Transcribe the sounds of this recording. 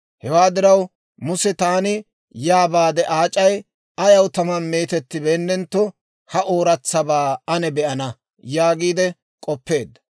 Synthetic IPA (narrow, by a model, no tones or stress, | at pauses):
hɛwaːd̪ɪɾɐw | mʊsɛt̪aːnɪ | jaːbaːd̪ɛʔaːt͡ʃʼɐj | ɐjɐwt̪ɐmɐnme̞ːt̪ɛt̪ːɪbeːnːɛnt̪ːɔ | hɐʔo̞ːɾɐt͡sːɐbaːɐnɛbɛʔɐnɐ | jaːɡiːd̪ɛ | kʼɔpːe̞ːd̪ːɐ̥